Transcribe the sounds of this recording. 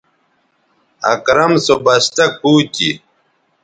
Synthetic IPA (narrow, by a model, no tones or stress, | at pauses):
ɐ̰kɾɐmsobɐɕt̪ɐk̚puːti